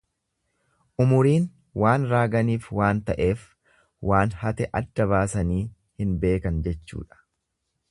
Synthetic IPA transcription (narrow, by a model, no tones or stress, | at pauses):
ʔʊmʊɾiːn | waːnɾaːɡɐniːfwaːnt̪ɐʔe̞ːf | waːnhɐt̪ɛʔɐd̪ːɐβaːsɐniː | hɪnbe̞ːkɐnd͡ʒɛt͡ʃːṵːᶑɐ̥